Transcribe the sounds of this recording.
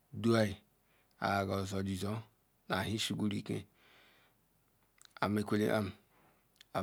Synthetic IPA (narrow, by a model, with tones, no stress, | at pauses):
du˦a˦i˨ | a̰˨ɡɔ˨zɔ˨d͡ʒi˨zɔ˦ | na˨ɦi˦si˦ɡʷu˦ɾi˦kḛ˦ | a˨me˦kʷe˦lḛ˦ʔa̰˦m˨ | a˨